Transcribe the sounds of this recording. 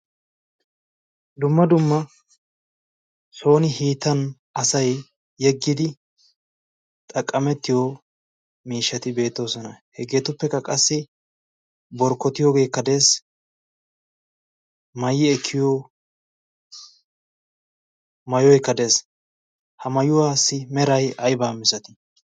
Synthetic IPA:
d̪ʊmːɐd̪ʊmːɐ | so̞ːnɪhiːt̪ːɐn | ɐsɐjː | ɛɡːɪd̪ɪ | t̪ʼɐkʼːɐmɛt̪ːɪjo | miːʃːɐt̪ɪbe̞ːt̪ːo̞ːsɔnɐhɛɡe̞ːt̪ʊpːɛkːɐkʼɐsːɪ | bɔɾkːɔt̪ɪjoːɡe̞ːkːɐd̪e̞ːs | mɐjɪɛkʰːɪjoː | mɐjɔjkːɐd̪e̞ːs | hɐmɐjʊwaːsːɪmɛɾɐjʔɐjbaːmɪsɐt̪ɪ̥

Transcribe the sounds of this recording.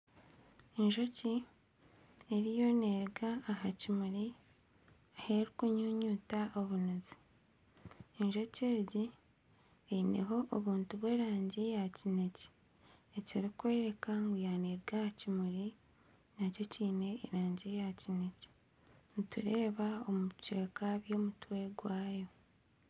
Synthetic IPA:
enʒo̞ci | eɾijo̞neɾɡaːɦacimuɾi | aheɾikuɲuːɲuːtaʔoβunuzi̥ | enʒo̞ceːɟi | ene̞̰ɦo̞ʔoβuːntuβwe̞ːɾaːɲɟejacine̞ce̥ | eciɾikwe̞ːɾe̞kaŋɡujaːneɾɡahacimuɾi | naco̞ciːne̞ːɾaːɲɟijacine̞ce̥ | nituɾe̞ːβaomut͡ʃeːkaβjo̞ːmutwe̞ɡwaːjo̞

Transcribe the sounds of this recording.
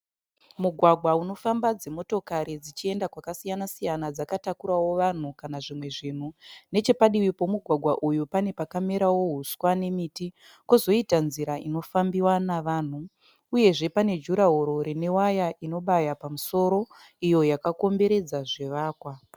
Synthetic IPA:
muɡʱwaɡʱwauno̞fambad͡ze̞mo̞to̞kaɾid͡zit͡ʃie̞ndakwakasijanasijanad͡zakatakuɾawo̞ʋan̤ukanaʐimwe̞ʐin̤une̞t͡ʃe̞paɗiʋipo̞muɡʱwaɡʱwaʔujupane̞pakame̞ɾawo̞ɦuswane̞miti | kozo̞itanziɾaino̞fambiwanaʋaːn̤u | uje̞ʐe̞pane̞d͡ʒuɾaɦo̞ɾo̞ɾene̞wajaʔino̞ɓajapamuso̞ɾo̞ | ijo̞jakako̞mbe̞ɾe̞d͡zaʐe̞ʋaːkwa

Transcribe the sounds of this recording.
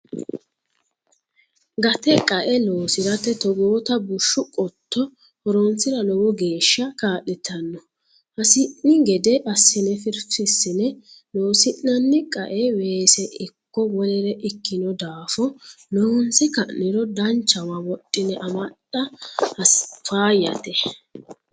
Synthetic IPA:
ɡɐt̪ɛkʼɐʔɛlo̞ːsɪɾɐt̪ːɛt̪ɔɡoːt̪ɐbʊʃːʊkʼɔt̪ʰːɔ | hɔɾont͡sːɪɾɐlɔwɔɡe̞ːʃːɐkaːʔɪt̪ʰɐnːɔ | hɐsɪʔnːɪɡɛd̪ɛʔɐsːɪnɛfɪɾfɪsːɪnɛloːsɪʔːɐnːɪkʼɐ̰ʔɛweːsɛʔɪkːɔwɔlɛɾɛʔɪkːɪnɔd̪aːfɔ | lɔwɔnt͡sɪkɐʔnɪɾɔd̪ɐnt͡ʃːɐwawɔtʼːɪnɛʔɐmɐtːɐhɐsfaːjɐ̰t̪ɛ

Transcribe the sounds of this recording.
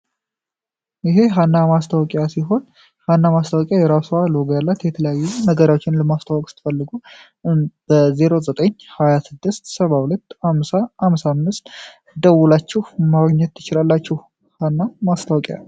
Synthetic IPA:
jɪɦe̞ɦanːamast̪ʰawɔkʼjasiɦo̞n | hanːamast̪ʰawɔkʼjajɛɾasaloɡjalːat̪jɛt̪ʰələjajːunəɡəɾawot͡ʃːɪnləmast̪ʰawɔkʼsɨ̥t̪ʰɨ̥fəlːɨɡu | b̥əze̞ɾo̞zət̪ʼəɲːhajasɨd̪ːɨst̪səβahulət̪ːhamsaamsamːɨst̪ | d̪əwulat͡ʃːɪhmaɡɲɛt̪ːʰɨt͡ʃɪlalːat͡ʃːɪh | hanːamast̪ʰawɔkʼja̰

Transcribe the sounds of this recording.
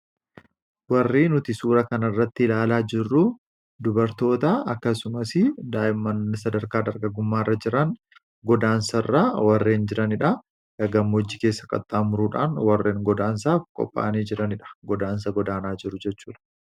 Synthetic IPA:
wɐrːiːnʊt̪ɪsuːɾɐkɐnɐrːɐt̪ːɪɪlaːlaːd͡ʒɪrːʊ | d̪ʊbɐɾt̪o̞ːt̪ɐɐkːɐsʊmɐsɪd̪aːʔɪmːɐnːsɐd̪ɐɾkaːd̪ɐɾɡɐɡʊmːaːɪrːɐd͡ʒɪɾɐn | ɡɔd̪aːnsɐrːaːwɐrːe̞ːnd͡ʒɪɾɐnɪᶑɐ | ʔɐɡɐmːɔd͡ʒːɪkeːsːɐkʼɐ̰t̪ʼːaːmʊɾuːᶑa̰ːnwɐrːeːŋɡɔd̪aːns̬aːfkʼɔ̰pʼːa̰ːniːd͡ʒɪɾɐnɪᶑɐ̥ɡɔd̪aːns̬ɐɡɔd̪aːnaːd͡ʒɪɾʊd͡ʒɛt͡ʃːuːᶑɐ̥

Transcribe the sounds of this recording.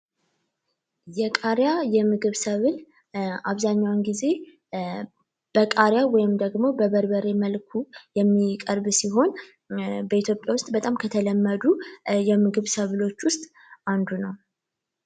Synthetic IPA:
jɛkʼaɾjajɛmɨɡɨβsəβɨl | aβzaɲːawnɡize̞ | b̥əkʼaɾjawɔjɪmd̪əɡmo̞bəβəɾbəɾe̞məlkʰujɛmːikʼəɾbsiɦo̞n | bəit̪ʰjo̞pʼjawʊst̪ʼbət̪ʼamkʰət̪ʰələmːəd̪ujɛmɨɡɨβsəβɨlo̞t͡ʃːwʊst̪ʼ | and̪unəw

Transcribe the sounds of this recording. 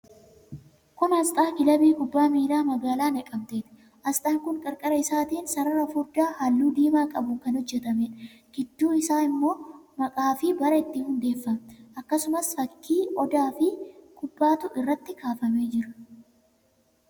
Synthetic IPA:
kʊnhɐst̪ʼaːkɪlɐbiːkʊbːaːmiːlaːmɐɡaːlaːnɛkʼːɐmt̪e̞ːt̪ɪ̥ | ʔɐst̪ʼaːŋkʊŋkʼɐɾkʼɐɾɐɪsaːt̪iːnsɐɾɐɾɐfʊɾd̪aːhaːlːuːd̪iːmaːkʼɐbʊŋkɐnhɔd͡ʒːɛt̪ɐmɛᶑ | ɡ̥ɪd̪ːuːɪsaːɪmːo̞ːmɐkʼaːfɪbɐɾɐɪt̪ːɪhʊnd̪e̞ːfːɐmʔɐkːɐsʊmɐsfɐkʰːiːɔd̪aːfɪkʰʊbːaːt̪ʊʔɪrːɐt̪ːɪkaːfɐmeːd͡ʒɪɾʊ̥

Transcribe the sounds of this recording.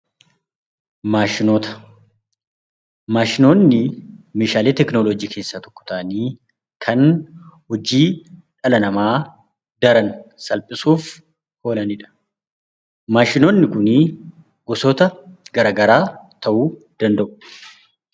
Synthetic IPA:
maːʃɪnoːt̪ɐ̥ | maːʃɪnoːnːɪmeːʃaːleːt̪ɛknoːloːd͡ʒiːkʰe̞ːsːaːt̪ɔ̥kːɔ̥t̪aːniː | kʰɐnhɔd͡ʒiːᶑɐlɐnɐmaː | d̪ɐɾɐnsɐlpʼɪsuːf | ho̞ːlɐnɪᶑɐ̥ | maːʃɪnoːnːɪkʊni | ɡ̥ɔsɔt̪ɐɡɐɾaːɡɐɾaːt̪ɐʔuːd̪̥ɐnd̪ɐʔʊ̥

